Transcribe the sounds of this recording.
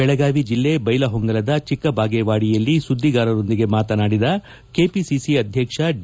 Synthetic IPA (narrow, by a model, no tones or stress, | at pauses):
ɛɭɐɡaːʋid͡ʒilːe̞bɐjlɐɦɔŋɡɐlɐd̪ɐt͡ʃikːɐbʱaːɡeːʋaːɽijɐlːisud̪ʱːiɡaːɾɐɾo̞nd̪iɡe̞maːt̪ɐnaːɽid̪ɐ | ke̞ːpisisiɐd̪ʱjɐkʂɐ